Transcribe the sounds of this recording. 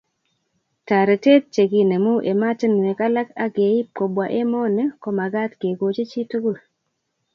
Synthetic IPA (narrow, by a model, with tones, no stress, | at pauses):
ta˨ɾe˨te˦t̚t͡ʃe˨ɡi˨ne˨mu˦ʔe˨ma˦tə˦n˨e˨ka˦la˦ka˦ɡe˨˦i˦po˨bwa˨ʔe˦mɔ˦nɛ˦ko˨ma˨ɡa˦tɡe˨ɡo˨t͡ʃe˦t͡ʃi˦tu˦ɡu˦˨l